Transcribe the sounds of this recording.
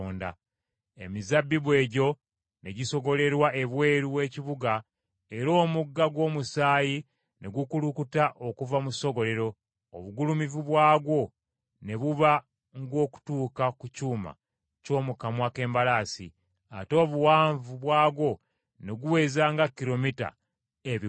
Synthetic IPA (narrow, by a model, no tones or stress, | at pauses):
oːnda̰ | e̞mizabːiβwe̞ːɟo̞ | ne̞ɟiso̞ɡo̞le̞ɾwaʔe̞βwe̞ːɾuwe̞ːciβuɡa | e̞ɾo̞ːmuɡːaɡwo̞ːmusaːji | nʔe̞ɡukulukutaʔo̞kuvamuso̞ɡo̞le̞ɾo̞ː | βuɡulumivuβwaːɡwo̞ | ne̞βuβa | ŋɡo̞ːku̥tuːkakucuːma̰ | co̞ːmukamwake̞ːmbalaːsḭ | a̰to̞ːβuwaːɱvuβwaːɡwo̞ | ne̞ɡuwe̞ːzaːŋɡakːiɾo̞mita̰ | eβi